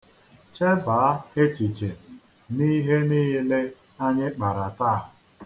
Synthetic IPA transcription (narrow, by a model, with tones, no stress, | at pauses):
t͡ʃe˦baː˨˦he˦t͡ʃi˨t͡ʃe˨ | ni˦ɦe˦niː˦le˦ | a˦ɲɪ˦k͡pa˨ɾa˨taː˦˨